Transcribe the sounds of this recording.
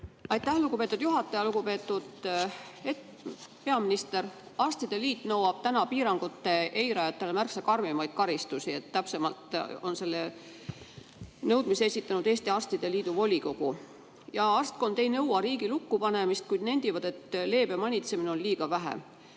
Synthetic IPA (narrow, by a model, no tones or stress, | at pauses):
ɑjt̪ːˑæhluɡupe̞t̪ːˑud̪̥juɦɑt̪ːˑɑjɑluɡ̥upe̞ːt̪ːˑud̪̥ | e | pe̞ɑminist̪e̞rɑrst̪id̪̥e̞liːt̪ːˑnɤwɑb̥̚t̪ænɑpiːɾɑŋɡ̥ut̪ːe̞ʔejɾɑjɑt̪ːˑe̞lemærksekɑrmimɑjd̪̥kɑɾist̪usiet̪ːæpse̞mɑlt̪o̞nse̞lːe | nɤwd̪misesit̪ːˑɑnud̪e̞ːst̪iɑst̪id̪̥e̞liːd̪̥uvo̞lʲiko̞ɡ̥u | jɑɑrst̪̚ko̞nd̪̥e̞jnɤwɑɾiːɡ̥ilukːupɑne̞mist̪̚kujd̪ne̞nʲd̪ivɑd̪̥e̞t̪le̞ːb̥emɑnʲit̪se̞mineo̞nliːɡ̥ɑvæɦḛ